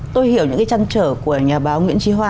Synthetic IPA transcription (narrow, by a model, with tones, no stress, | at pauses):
t̪o˧jhi˧˩əwɲɨ̰˧˥ŋkaː˨˦jt͡ɕa˧nt͡ɕəː˧˩ku˧˩əɲaː˨˩ɓaː˨˦ŋwḭ˧˥ənt͡ɕi˨˧˦ɦwaː˧